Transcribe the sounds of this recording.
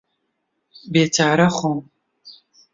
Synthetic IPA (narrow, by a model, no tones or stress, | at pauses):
beːtʰaːɾɐχʷʊm